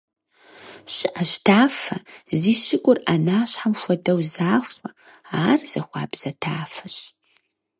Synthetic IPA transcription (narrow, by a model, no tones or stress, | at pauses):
ɕɪʔɐɕtʰaːfɐziːɕɪkʷʼʊrʔanaːɕħamfʷɔdɐwzaːxʷɐ | aːrz̥ɐxʷɑ̰ːbz̥ɐtʰaːfɐɕ